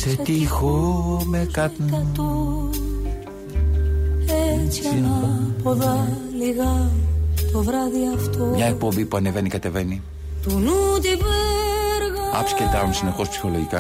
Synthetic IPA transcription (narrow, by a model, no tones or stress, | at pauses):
set̪ixomekɐt̪t̪o | et͡siɐnɐpoðɐliɣɐ | t̪ovɾɐðiɐft̪omɲɐekk̚po̞mbipuɐneve̞nikɐt̪e̞ve̞ni | t̪unut̪ivɛɾɣɐɐ̰fscet̪ɐmusine̞xo̞spsi̥xo̞loʝikɐ